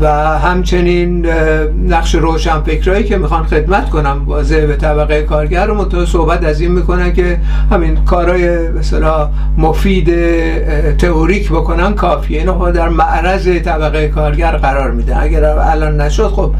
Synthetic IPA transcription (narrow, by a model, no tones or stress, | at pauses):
væ | ɦæmt͡ʃʰe̞ninː | æχʃe̞ɾoːʃænfe̞kɾɒːiːkʰe̞mixɒnxe̞d̪mæt̪ko̞næmvɒːzebet̪ʰæbæɣejekʰɒːɾɟæɾːomont̪ʰɒːsohbæt̪æzinmiːko̞nænkʲe̞ | hæminkʰɒːɾɒːje̞ | best̪elɒː | mofiːd̪e | t̪ʰeʔoɾiːkboko̞nænkʰɒːfiːeinobɒd̪æɾmæʔɾæze̞t̪ʰæbæɣejekʰɒːɾɟæɾɢæɾɒːɾmiːd̪ænæ̰ɡæɾ | æ̰lɒːnːæʃod̪̥xob̥̚